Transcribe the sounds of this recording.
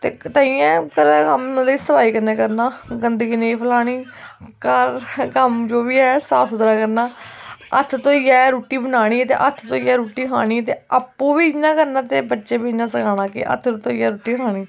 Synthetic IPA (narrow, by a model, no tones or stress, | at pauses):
t̪ḛːt̪əːĩːɛ̃ːkəɾkəmliːsəpaːiːkəɾnẽːkəɾnaːɡənd̪əɡiːneːpʰəlaːɽ̃iːkəɾkəmd͡ʒoːʋiːɛːsaːpʰʊd̪ɾãːkəɾnaːə̰t̪ʰt̪õːiːɛːɾuːʈiːbənaːɽ̃iːɛt̪ḛːʔət̪ʰt̪õːiɛːɾuːʈiːkʰaːɽ̃iːt̪eːəpːũːʋiːd͡ʒnãːkəɾnãːt̪eːbətːʃeːbiːnãːsəkʰaːɽ̃ãːkɪ̰ʔə̰t̪ʰɾõt̪õːiːɛːɾuːʈiːkʰaːɽ̃iː